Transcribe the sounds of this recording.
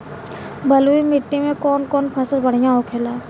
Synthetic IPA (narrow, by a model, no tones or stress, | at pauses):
bəluimɪʈːimẽkɔːnkɔːnpʰɐsəlbɐɽ̤ijãoːkʰeːlaː